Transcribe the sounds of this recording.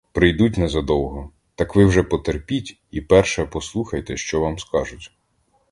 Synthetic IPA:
pɾɪjd̪utʲnɛzɐd̪ɔwˠɦɔ | t̪ɑkʋɪwʒɛpɔt̪erpʲitʲ | ipɛrʃɛpɔslˠuxɐjt̪ɛʃt͡ʃɔʋɑmskɑʒʊtʲ

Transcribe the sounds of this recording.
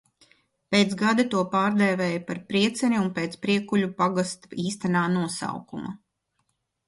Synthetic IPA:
peːt̪sɡad̪at̪uɔpaːɾd̪ɛːvɛːjpaɾpɾiɛt̪sɛnʲiunpeːt̪spɾiɛkuʎʲupaɡast̪iːst̪anaːnuɔsa̰wkuma̰

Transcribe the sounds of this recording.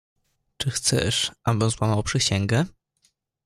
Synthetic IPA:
t͡ʂɘxt̪sɛ̰ʂʔabɘzwamawpʂɘɕɛŋɡɛ

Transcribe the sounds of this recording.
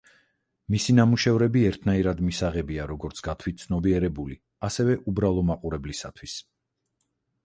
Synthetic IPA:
misinamuʃɛvɾɛbiɛɾt̪ʰnaiɾad̪misaʁɛbiaɾɔɡɔɾt̪sʰɡ̥at̪ʰwit̪̚t̪sʰnɔbiɛɾɛbuli | asɛvɛʔubɾalˠɔmaqʼuɾɛblisat̪ʰwis

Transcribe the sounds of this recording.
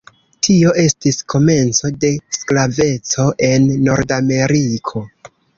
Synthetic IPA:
tʰio̞ʔe̞stiskʰo̞me̞nt͡so̞de̞sklave̞t͡so̞ʔe̞nːo̞ɾdame̞ɾikʰo̞

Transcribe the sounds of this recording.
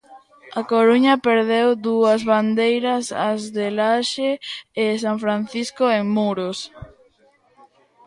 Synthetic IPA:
akoɾuɲɐpeɾðewd̪uɐzβand̪ejɾɐsazðelaʃeːs̬aɱfɾan̟θiskoeŋmuɾos

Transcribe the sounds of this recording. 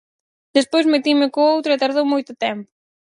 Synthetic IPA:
d̪espojzmet̪imɪkoowt̪ɾʊet̪aɾðowmojt̪ʊt̪ɛmpʊ̥

